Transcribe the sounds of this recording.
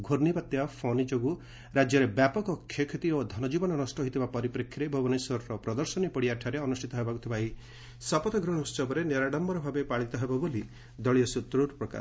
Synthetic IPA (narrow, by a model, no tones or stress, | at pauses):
ɡʱoɾnibat̪ːjapʰɔnid͡ʒoɡu | ɾad͡ʒjɔɾebjapɔkɔkʰːjɔkʰet̪iod̪ʱɔnɔd͡ʒibɔnɔnɔsʈɔɦit̪ʰibapɔɾipɾekʰːiɾebʱɔbɔneswɔɾɔɾɔpɾɔd̪ɔɾsɔnipɔɽiaʈʰaɾeɔnusʈʰit̪ɔɦebaɡut̪ʰibai | sɔpɔt̪ɔɡɾɔɽ̃ɔst͡ʃɔbɔɾeneɾaɽambɔɾɔbʱabepaɭit̪ɔɦebɔboli | d̪ɔɭijɔsut̪ɾuɾpɾɔka̰ɾ